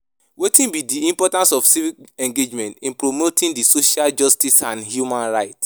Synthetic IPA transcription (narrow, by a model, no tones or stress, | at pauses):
wetĩnbidiĩmpɔtãnsɔfsivikɛ̃ŋɡed͡ʒmɛ̃ntĩnpɹomotʰĩndisoʃald͡ʒɔstisãnɦjumãnɹaɪt